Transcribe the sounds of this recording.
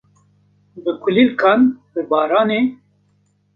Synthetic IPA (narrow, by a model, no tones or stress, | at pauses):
bɨkʰʊlilkʰɑːnbəbɑːɾɑːneː